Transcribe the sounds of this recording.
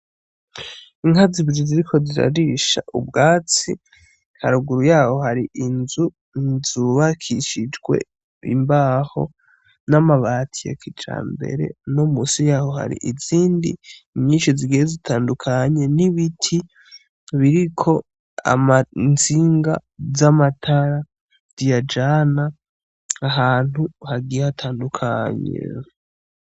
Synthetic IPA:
iŋhaziβiɾiziɾikʰo̞ziɾa̰ɾiʃa̰ʔubɡaːt͡sḭ | haɾuɡuɾujaːho̞haɾiʔinzu | nzuβakʰiʃid͡ʒɡwe̞̰ | ḭmbaːho̞̰ | namaβatʰija̰kʰit͡ʃa̰ːmbe̞̰ɾe̞̰nomusijaːho̞ha̰ɾḭʔiziːndḭɲɲiːnʃiziɡijezitʰaːndukʰaɲe̞niβitʰi | βiɾikʰo̞ | a̰mant͡siŋɡa̰zamatʰaɾa | zijad͡ʒana | aɦaːn̥huhaɡijehatʰaːndukʰaɲḛ

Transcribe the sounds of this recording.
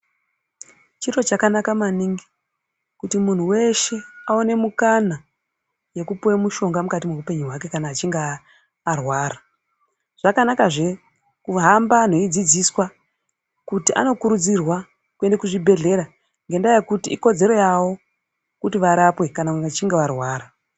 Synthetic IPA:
t͡ʃiro̞t͡ʃakanakamaniŋɡi | kutimun̤uwe̞ʃe̞aone̞mukana | je̞kupuwemuʃo̞ŋɡamukatimeupe̞ɲuɦwake̞kanaːt͡ʃiŋɡaː | rwaːra | ʐ̥akanakaʐe̞ | kuɦamban̤o̞id͡zid͡ziswa | kutiʔa̰no̞kuɾud͡zirwa | kue̞ndekuʐibʱe̞ɮe̞ɾa | ŋɡe̞ndajekutiiko̞d͡ze̞ɾo̞jaʋo̞ | kutiʋaɾapwe̞kanaat͡ʃiŋɡeʋarwaːɾa

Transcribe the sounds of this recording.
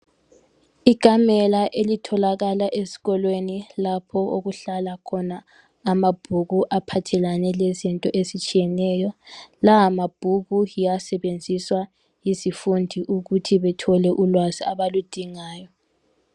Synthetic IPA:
iɡ̥ʱamɛlaʔelitʰɔlaɣalaʔesi̥ɣɔlwenilapʰɔʔoɣuɬalakʰɔnaː | mab̥ʱuɣuʔapʰatʰɛlanɛlezintʼɔʔesit͡ʃʼijɛnɛjɔlaɦamab̥ʱuɣuijasɛβend͡zʱiswa | jisifundʱiʔuɣutʰiβɛtʰɔlɛʔulwaziaβalud̥ʱiŋaːjɔ

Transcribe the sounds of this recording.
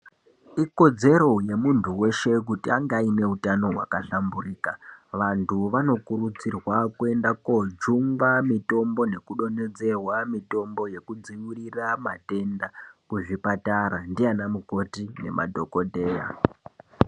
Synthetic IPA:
iko̞d͡ze̞ɾo̞je̞muntʰuwe̞ʃe̞k̬utiaŋɡaime̞utano̞ɦwa̰kaɬamburiːkaʋantʰuʋano̞kurut͡sirwakue̞ndakod͡ʒuŋɡamito̞mbo̞ne̞kuɗo̞ne̞d͡ze̞rwamito̞mbo̞je̞kud͡ziwiriramate̞ndakuʐipataɾandianamuko̞tine̞̰mʔa̰dʱo̞ko̞dʱe̞ːja̰

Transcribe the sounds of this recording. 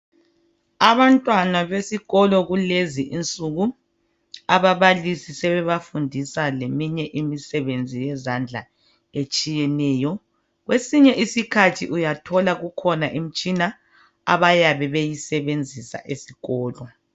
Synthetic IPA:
aβantʼwanaβesiɣɔlɔɣuleziʔint͡sʼuɣu | aβaβalisisɛβɛβafundʱisalemiɲɛʔimisɛβend͡zʱijɛzand͡ɮʱa̰ | et͡ʃʼijɛnɛːjɔ | ɣwesiɲɛʔisikʰatʰiʔujatʰɔlaɣukʰɔnaʔim̩t͡ʃʼina | a̰βajaβɛβejisɛβend͡zʱisa̰ʔesi̥ɣɔːlɔ

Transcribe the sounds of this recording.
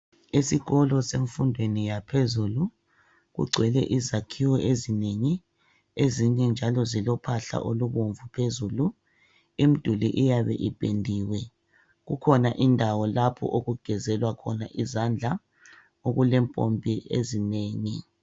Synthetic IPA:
esiɣɔlɔseɱfundʱwenijapʰezulu | ɣṵɡ͡ǀʱwɛlɛ̰ʔizakʰiwɔʔezineŋi | eziɲɛnd͡ʒʱalɔzilɔpʰaɬa̰ʔoluɣoɱvupʰezulu | im̩d̥ʱulḭʔijaβɛ̰ʔib̥ʱʼendʱiːwɛ | ɣukʰɔnaʔindʱawɔlapʰɔ̰ʔoɣuɡ̥ʱɛzɛlwakʰɔnaʔizand͡ɮʱa | oɣulɛmpʼo̰mbʱiʔḛzineːŋi

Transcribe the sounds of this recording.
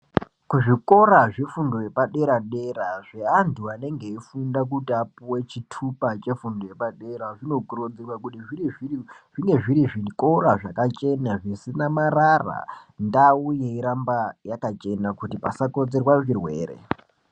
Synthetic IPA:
kuʐiko̞ɾaʐifundo̞je̞paɗe̞ɾaɗe̞ɾaʐeantuane̞ŋɡe̞ifundak̬utapuwet͡ʃitʰupat͡ʃe̞fundo̞je̞paɗe̞ɾaʐino̞ɡrod͡zerwakutiiiiʐiŋɡe̞ʐiɾiʐiko̞ɾaʐakat͡ʃe̞naʐisinamarara̰ndaujeiɾambajakat͡ʃe̞nakutipa̰sako̞d͡ze̞rwaʐirwe̞̰ːɾḛ

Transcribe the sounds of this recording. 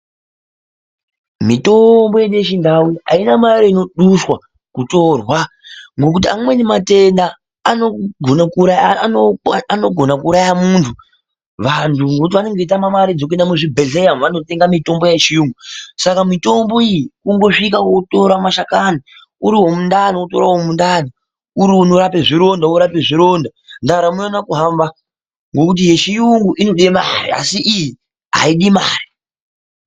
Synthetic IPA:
mito̞mbo̞jeɗuje̞ʃindaua̰inamaɾeino̞ɗuswa | kuto̞rwa | ŋɡo̞kut̬iamwe̞nimate̞ndaː | no̞ɡʱonakuɾajoano̞ɡʱo̞nakuɾajamuntʰu | ʋantʰuŋɡot̬iʋane̞ŋɡe̞itamamaɾid͡zok̬uendamuʐibʱe̞ɮejamʋano̞te̞ŋɡamito̞mbo̞jet͡ʃimusakamito̞mboiikuŋɡo̞ʂik̬awoto̞ɾamaʃakani | uɾiɦo̞mundanioto̞ɾawomundani | uɾiunoɾapeʐiɾo̞ndaoɾapeʐiɾo̞nda | ndaɾamuonakuɦamba | ŋɡo̞kut̬ijeʃijuŋɡuʔino̞ɗema̰ɾḭa̰siʔiji | ɦa̰iɗimaːri

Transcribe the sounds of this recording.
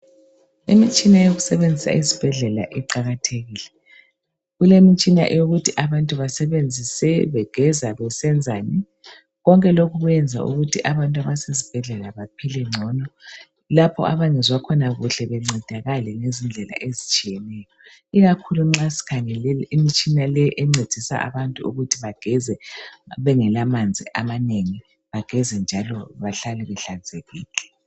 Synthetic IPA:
ḭmit͡ʃʼinajoɣusɛβend͡zʱisa̰ʔizib̥ʱɛɮɛla̰ʔɛǃaɣatʰeɣiːlɛ | ɣulemit͡ʃʼina̰ʔɛjoɣutʰiʔaβantʼuβasɛβend͡zʱisɛβɛɡ̥ʱɛzaβɛsɛnd͡zʱani | ɣɔŋkʼɛloɣuɣjɛnd͡zʱa̰ṵɣutʰiʔaβantʼaβasezib̥ʱɛɮɛlaβapʰilɛŋ͡ǀʱɔnɔ | lapʰɔ̰aβaŋɛzwakʰɔnaɣuɬɛβɛŋ͡ǀʱɛd̥ʱaɣalɛŋezind͡ɮʱɛla̰ʔezit͡ʃʼijɛnɛjɔ | iɣakʰuluŋ͡ǁasi̥kʰaŋɛlɛlimit͡ʃʼinalɛʔɛŋ͡ǀed̥ʱisa̰ʔa̰βantʼuṵɣutʰiβaɡ̥ʱɛzɛβɛŋɛlamand͡zʱiʔamaneŋi | βaɡ̥ʱɛzɛnd͡ʒʱalɔβaɬalɛβɛɬand͡zʱeɣiːlɛ

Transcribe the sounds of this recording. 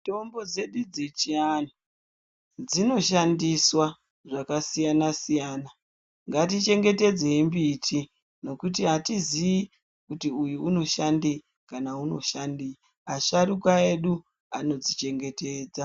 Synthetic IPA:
to̞mbo̞d͡ze̞ɗud͡zet͡ʃiano | d͡zino̞ʃandiswa | ʐakasijanasijaːna | ŋɡatit͡ʃe̞ŋɡe̞te̞d͡ze̞imbitʰi | no̞kutiɦatizii | kutiujuuno̞ʃandi | kanauno̞̰ʃandi | aʃaɾukae̞ɗu | ano̞d͡zit͡ʃe̞ŋɡe̞te̞ːd͡za

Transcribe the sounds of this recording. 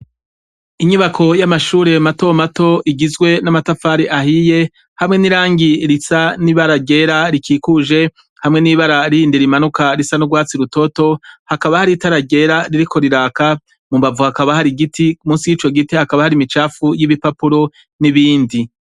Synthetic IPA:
iɲuβakʰo̞jamaʃuːɾe̞mato̞mato̞ʔiɡizɡwe̞namatafaːɾiʔahije̞ | hamŋe̞niɾaːŋɡiɾisaniβaɾaɡe̞ːɾaɾikʰiːkuʒe̞ | hamŋe̞niβaɾaɾiiːndiɾimanukaɾisanuɡwaːt͡siɾuto̞to̞hakaβahaɾitaɾaɟe̞ɾaɾiɾikʰo̞ɾiɾaːka | mumbavuhakaβahaɾiɡitiumuːsijiːt͡ʃo̞ɡitihakaβahaɾimit͡ʃaːfujiβipapuɾo̞ | niβiːndi

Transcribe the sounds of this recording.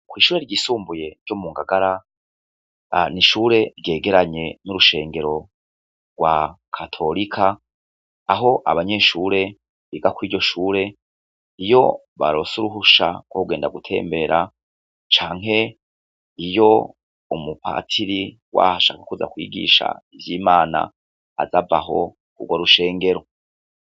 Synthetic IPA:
kwiːʃuːɾe̞ɾɟiːsuːmbuje̞ɾɟomuːŋɡaɡaɾa | niʃuːɾe̞ɾɟe̞ːɡe̞ɾaɲe̞nuɾuʃe̞ːŋɡe̞ɾo̞ | ɡwakʰatʰo̞ɾikʰaː | ɦo̞ʔa̰βaɲe̞ːʃuːɾe̞ | βiɡakwiːɾɟo̞ʃuːɾe̞ | ijo̞̰ | βaɾo̞suɾuɦuʃa̰ɡwouɡeːndaɡutʰe̞̰ːmbe̞ːɾa | t͡ʃaːŋɦe̞ | ijo̞ | umupʰa̰tʰiɾi | wa̰haʃaːkakuza̰kwḭːɡḭːʃa̰ivjiːmaːna̰ː | zavaɦo̞̰ | uɡwoɾuʃe̞ːŋɡe̞ɾo̞

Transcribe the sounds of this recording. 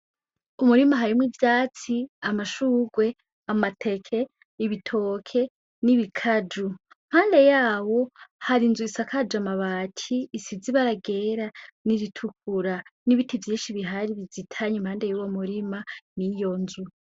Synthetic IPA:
umuɾimaɦaɾimwivjaːt͡siamaʃuːɡwe̞ | amatʰe̞kʰe̞ | iβitʰo̞ːkʰe̞ | niβikʰad͡ʒu | m̥haːnde̞jaːwo̞haɾinzuisakʰad͡ʒamaβaːtʰisiziβaɾaɡe̞ːɾaniɾitʰuk̚ʰuɾaniβitʰivjiːnʃiβiɦaɾiβizitʰaɲimhaːnde̞juwo̞muɾimanijo̞nzu

